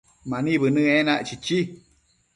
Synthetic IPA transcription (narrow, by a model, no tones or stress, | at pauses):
mãnĩβɨnɨ̃ẽnaʔt͡ʃit͡ʃi